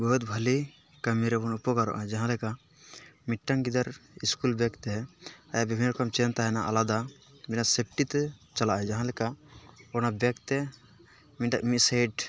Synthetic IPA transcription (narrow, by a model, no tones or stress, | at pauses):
bəɦut̪bʱəli | kamiɾɛbɔnupɔɡaɾɔ̰ʔa̰ɛd͡ʒaɦãlɛka | miʈːaŋɡid̪aɾiskulbɛkt̪ɛajabibʱinːɾɔkamt͡ʃɛnt̪aɦɛnaʔa̰lad̪a | minasep̚ʰʈit̪ɛt͡ʃalaʔaɛd͡ʒaɦãlɛkaɔnabɛkt̪ɛ | miɖaʔmiʔ̪sajɖ